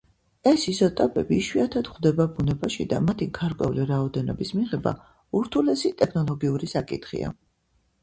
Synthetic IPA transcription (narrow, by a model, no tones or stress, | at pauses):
ɛsisɔt̪ʼapʼɛbiːʃwiat̪ʰad̪χd̪ɛbabunɛbaʃḭd̪a̰mat̪ʰiɡaɾkʼwɛ̰uliɾaɔd̪ɛnɔ̰bismiʁɛba̰ | uɾt̪ʰulɛsit̪ʼɛkʰnɔlˠɔɡiuɾisakʼḭt̪ʰχḭa̰